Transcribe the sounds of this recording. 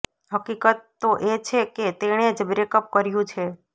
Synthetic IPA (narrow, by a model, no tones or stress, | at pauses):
ɦəkikət̪ːoʔet͡ʃʰeket̪eɽ̃ed͡ʒbɾekəp̚kəɾjũt͡ʃʰe